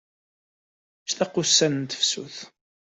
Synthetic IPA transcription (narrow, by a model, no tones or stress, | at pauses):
ʃt̪ɑqːʊsːænənt̪ə̥fsṵθ